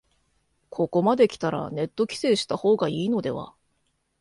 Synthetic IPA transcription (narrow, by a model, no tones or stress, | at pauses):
kʰo̞ko̞mad̪e̞kʲi̥t̪aɾa̰ne̞t̪ːo̞kʲi̥se̞ːɕi̥t̪aho̞ːɡaiːno̞d̪e̞̰βa̰